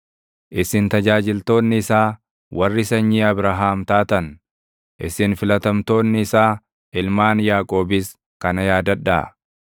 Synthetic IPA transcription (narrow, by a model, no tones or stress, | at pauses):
ʔɪsɪnt̪ɐd͡ʒaːd͡ʒɪlt̪o̞ːnːɪːsaː | wɐrːɪsɐɲːiːɐbɾɐɦaːmt̪aːt̪ɐn | ʔɪsɪnfɪlɐt̪ɐmt̪o̞ːnːɪːsaː | ɪlmaːnjaːkʼo̞ːbɪs | kɐnɐjaːd̪ɐᶑːɐ̰